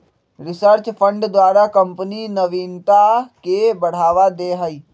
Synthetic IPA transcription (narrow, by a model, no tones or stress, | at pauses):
ɾɪsəɾt͡ʃpʰə̃ɳɖd̪waːɾakə̃mpninəʋiːnt̪akebəɽ̤aːʋad̪eːɦəiː